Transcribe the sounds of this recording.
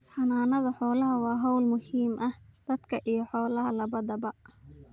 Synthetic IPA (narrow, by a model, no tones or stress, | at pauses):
ħɑnaːnɐðɐħɔːlɐɦɐwɑːɦɔwlmʊhiːmʔɐhd̪̥ɐd̪kʰɐʔijɞħɔːlɐɦɐlɐβɐdɐbɐʔ